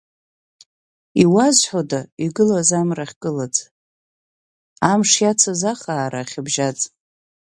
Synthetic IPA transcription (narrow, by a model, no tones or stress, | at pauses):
iwazħʷodaiɡɨlazamraχʲɡʼɨlad͡zʼ | amʂjat͡sʰazaχaːɾaːχʲɪbʒat͡sʼ